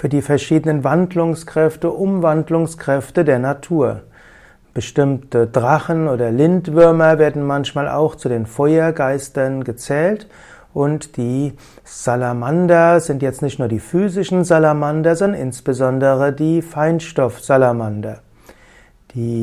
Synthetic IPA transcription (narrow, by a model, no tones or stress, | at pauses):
fyːɐdiːfɛɐʃiːdənənvandlʊŋskʁ̥ɛftəʔʊmvandlʊŋskʁ̥ɛftədeːɐnatʰuːɐ | b̥əʃtɪmtədʁaχənoːdɐlɪntv̥ʏɐmɐveːɐdn̩mançmaːlʔa̰ʊxt͡sudeːnfɔʏɐɡaɪstɐnɡət͡sɛːlt | ʔʊntd̥iː | z̥alamandɐzɪntjɛt͡stnɪçtnuːɐdiːfyːzɪʃn̩zalamandɐzɔndɐnʔɪnsb̥əzɔndəʁədiːfaɪnʃtɔfz̥alamandɐ | d̥iː